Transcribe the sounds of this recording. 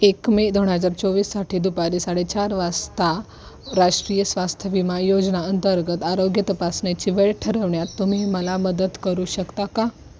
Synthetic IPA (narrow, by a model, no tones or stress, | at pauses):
ekmed̪oɳ̃ɦəd͡zaɾt͡soʋiːsːaʈʰiːd̪upaɾisaɽet͡ɕaɾʋast̪a | ɾaʂʈɾijəsʋast̪ʰjəʋimajod͡ʑnaənt̪əɾɡət̪aɾoɡjət̪əpasɳjat͡ɕiːʋeɭʈʰəɾəʋɳjat̪ːum̤iməlaməd̪əd̪kəɾuɕəkt̪aka